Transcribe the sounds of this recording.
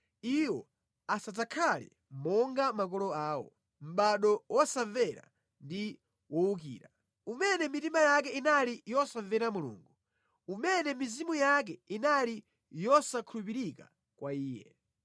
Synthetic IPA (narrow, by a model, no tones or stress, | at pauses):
iwɔ | asazakʰalḭ | mɔŋɡamak̬ɔlɔaːwɔ̰ | m̩ɓaɗɔwɔsavɛɾa̰ | ndi | wɔuk̬ḭːɾa | umɛnɛmitimajak̬ɛinalijɔsavɛɾamulṵːŋɡu | umɛnɛmizimujak̬ɛinali | jɔsakʰulupiɾika̰ | kwaiːjɛ̰